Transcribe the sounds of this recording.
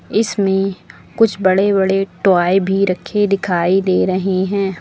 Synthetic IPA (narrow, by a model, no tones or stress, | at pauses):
ɪsmẽ | kʊt͡ʃʰbɐɽebɐɽeʈwaːebʱiɾɐkʰːed̪ɪkʰaːid̪eːɾɐɦeɦɛ̃ː